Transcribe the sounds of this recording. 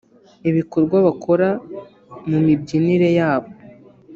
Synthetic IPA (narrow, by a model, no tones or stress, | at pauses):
iβiko̞ɾɡwaβakʰo̞ɾa | mumibɟiniɾe̞jaːβo̞